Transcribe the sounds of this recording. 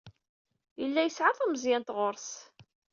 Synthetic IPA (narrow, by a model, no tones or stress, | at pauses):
jəlːæjəsʕaðˤæməzjænt̪ʁoɾˤs